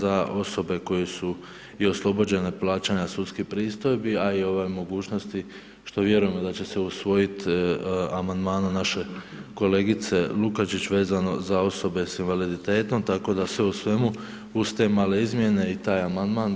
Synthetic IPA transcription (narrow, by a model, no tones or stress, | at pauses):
zao̞so̞be̞ko̞jesu | io̞slˠo̞bo̞d͡ʑe̞neplaːt͡ɕaɲasut̪skipɾiːst̪o̞jbiaio̞ʋajmo̞ɡuːt͡ɕno̞st̪i | ʃt̪o̞ʋje̞ɾujemod̪at͡ɕe̞se̞usʋo̞jit̪ | amand̪maːnanaʃe̞ | ko̞le̞ːɡit̪se̞lukat͡ʃit͡ɕʋe̞ːzano̞zao̞so̞be̞sinʋalid̪it̪e̞ːt̪o̞mt̪ako̞d̪asʋe̞usʋe̞mu | ust̪e̞ːmale̞izmje̞ne̞it̪aːjamand̪maːn